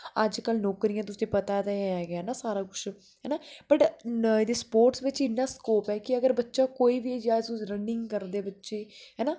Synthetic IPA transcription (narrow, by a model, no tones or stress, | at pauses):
əd͡ʒkəlnɔːkɾijãːt̪ʊsẽːpət̪aːt̪aɛɡɛːnaːsaːɾaːkʊʃ | ɦɛːnaːpəʈed̪eːspoːɾʈsʋɪt͡ʃɪnːãːskoːpɛːkɪəɡəɾbətːʃaːkoːiːʋiːd͡ʒaːd͡ʒʊɾənɪ̃ŋɡkəɾd̪eːbətːʃeːɦɛːnaː